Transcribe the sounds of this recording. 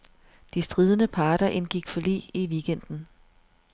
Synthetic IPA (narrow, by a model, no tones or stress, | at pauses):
d̥isd̥ʁiːð̞ˠənəpʰɑ̈ːɾ̥ɐʔe̝nɡ̥iɡ̥fɒ̽lḭːiʋiɡ̥en̰d̥n̩